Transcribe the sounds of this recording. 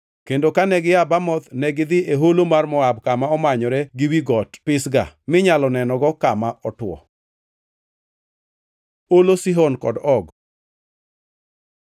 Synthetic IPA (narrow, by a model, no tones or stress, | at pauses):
kendokanɛɡɪabamɔt̪nɛɡɪd̪ɪeɦolomarmɔabkamaɔmaɲɔɾɛɡɪwiɡɔtpɪsɡa̰mɪɲalɔnɛnɔɡɔkamaʔɔtwɔ̰ | olosiɦɔnkɔ̰dɔɡ